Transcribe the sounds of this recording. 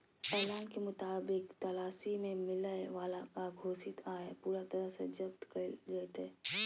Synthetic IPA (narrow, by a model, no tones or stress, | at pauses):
ɛːlaːnkemʊt̪aːbɪkt̪ɐlaːsimẽmɪləeʋaːlakaɡʱoːsɪt̪aːepuːɾat̪ɐɾəsed͡ʒɐb̚t̪kəd͡ʒət̪e